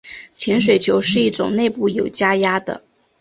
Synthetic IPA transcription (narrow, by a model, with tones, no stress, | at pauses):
t͡ɕʰjɛ˧˥nʂ̬we˨˩ɪt͡ɕʰjo˧˥ʊʂɻ̩˥˧i˥˩ʈ͡ʂʊ̰˨˩ŋne˥˧ɪpu˥˩jo˨˩ʊt͡ɕja˥ja˥d̪ə̰˨